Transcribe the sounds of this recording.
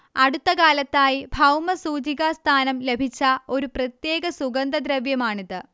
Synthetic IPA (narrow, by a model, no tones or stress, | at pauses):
ɐɽut̪ːɐkaːlɐt̪ːaːjibʱɐwmɐsuːd͡ʑiɣɐst̪ʰaːnɐmle̞bʱit͡ɕːɐo̞ɾuprɐt̪je̞ːɡɐsuɡɐnd̪ɐd̪ɾɐʋjɐmaːɳiðɨ